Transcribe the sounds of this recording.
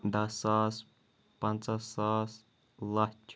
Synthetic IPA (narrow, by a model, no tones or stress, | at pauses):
d̪ɐsːaːs | pɐnt͡sɐsaːs | lɐt͡ʃʰ